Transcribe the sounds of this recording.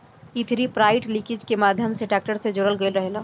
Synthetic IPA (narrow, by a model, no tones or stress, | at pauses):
it̪ʰɾipɾaːɪʈlɪkɪd͡ʒkemaːd̪ʱjəmseʈaːk̚ʈəɾsed͡ʒʊɾəlɡeːlɾɐɦela